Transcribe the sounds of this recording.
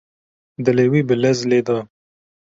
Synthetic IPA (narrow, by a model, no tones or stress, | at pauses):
d̪əlewiːbəlɐzleːd̪ɑː